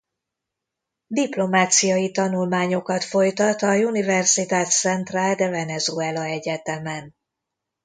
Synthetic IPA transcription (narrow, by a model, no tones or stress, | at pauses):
d̪iplo̞maːt̪sijɒjit̪ɒnulmaːɲo̞kɒt̪fo̞jt̪ɒt̪ɒjunivɛrsit̪aːt̪sɛnt̪raːld̪ɛvɛnɛzoɛlɒɛɟɛt̪ɛmɛn